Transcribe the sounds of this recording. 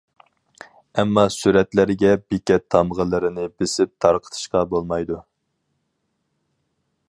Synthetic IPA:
ɛmːɑsyɾɛt̪læɾɡʲɛbikʲɛt̪ʰːɑmʁəlˠɨɾɪnɪbɪsɪp̚t̪ʰɑɾqʰə̥t̪ʰɨ̥ʃqɑbolˠmɑjd̪u

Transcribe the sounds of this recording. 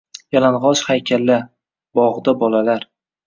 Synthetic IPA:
jalanʁɒʃhajkʲʰalːa | bɒʁd̪abɒlalaɾ

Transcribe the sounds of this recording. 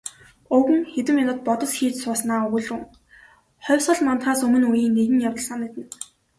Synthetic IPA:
ɵwɘ̆ŋxet̪ɘ̆mjanʊ̆ːt̪̚pɔt̪ɞ̆sxiːt͡ɕsʊːsnaːɵɣɵ̆ɮrŭŋ | χɔːsə̆ɮmɔnt̪χaːsɵmɵ̆nujiːŋːeɣɘ̆ŋjawt̪ə̆ɮsaːnet̪ɘ̆n

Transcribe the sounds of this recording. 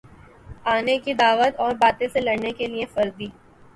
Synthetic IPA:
aːnekid̪aːʋət̪ɔːɾbaːt̪ẽselɐɽnekeliefɐɾd̪iː

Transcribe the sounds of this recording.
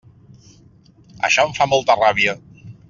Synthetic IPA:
ə̰ʃɔəɱfamɔlˠt̪əraβiə

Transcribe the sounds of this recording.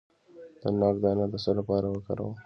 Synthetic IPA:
d̪̥ənɑɡd̪ɑnad̪əsəlapɑːɾawəka̰ɾa̰w

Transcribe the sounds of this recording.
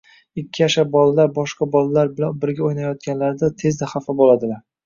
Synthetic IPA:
ɪkʲʰːɪjaʃabɒlalaɾbɒʃqɑbɒlalaɾbɪanbɪɾɡʲaojnajɒt̪̚kʲanlaɾd̪at̪ʰe̞zd̪aχafɪbolˠad̪ɪlaɾ

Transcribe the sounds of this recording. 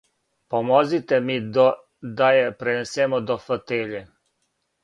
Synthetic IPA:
pomozit̪ɛmid̪ɔ | d̪ajɛpɾɛnesɛːmɔd̪ɔfət̪eʎɛ

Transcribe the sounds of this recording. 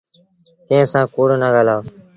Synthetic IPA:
t̪ẽːsãːkoːɽoːnaːɡaːlaː

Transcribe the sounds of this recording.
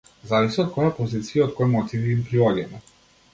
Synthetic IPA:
zavisiɔt̪̚kɔjapɔzit̪sijaɔt̪̚kɔjmɔt̪iviimpɾiɔɡɛmɛ

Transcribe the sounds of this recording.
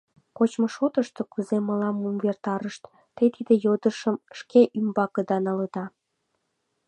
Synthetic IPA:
kot͡ɕmoʃot̪əʃt̪okuzeməlɑmumβert̪ɑɾəʃt̪ | t̪et̪id̪ejod̪əʃəmʃkeʔymbɑkəd̪ɑnɑləd̪ɑ

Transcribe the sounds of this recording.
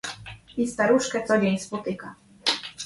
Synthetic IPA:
ist̪aɾuʂkɛt̪sɔd͡ʑeɲspɔt̪ɘka

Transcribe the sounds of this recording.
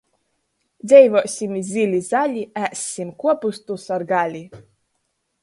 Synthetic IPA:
d̪zʲɛjvɔːsʲimizʲilʲizalʲiæsʲimkuɔpust̪usaɾɡalʲi

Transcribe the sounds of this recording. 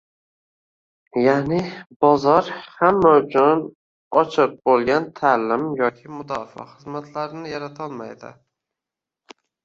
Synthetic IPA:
janɪbɒzɒɾhamːaʊt͡ʃʰʊn | ɒt͡ʃʰɨq̚bolˠɡʲant̪ʰalɪmjɒkʲʰɪmʊd̪ɒfa̰χɨzmat̪ʰlaɾɪnɪjaɾat̪ʰɒlˠmajd̪ɪ̰

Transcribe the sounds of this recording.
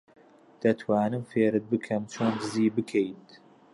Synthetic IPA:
d̪̥ɐt̪ʰwaːnɨmfeːɾɨt̪̚bɨkʰɐmt͡ʃʰoːnd̪ɨziːbɨkʰejnt̪

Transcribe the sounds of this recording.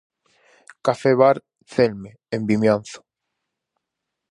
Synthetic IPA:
kafeβaɾ | θelme | embimjan̟θʊ̥

